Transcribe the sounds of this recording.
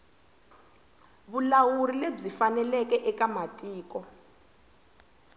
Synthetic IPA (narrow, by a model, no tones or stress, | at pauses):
βulawurileb͡ʐifanɛlɛkɛʔɛkamatʼiːk̬ʼɔ